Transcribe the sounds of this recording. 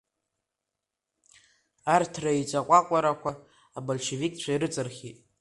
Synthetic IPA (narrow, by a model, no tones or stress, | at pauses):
artʰrait͡ʃʷʼaqʷʼakʷʼaɾakʷaː | bolʃevikʼt͡ɕʷʰaiɾɨt͡sʼɨrχʲitʼ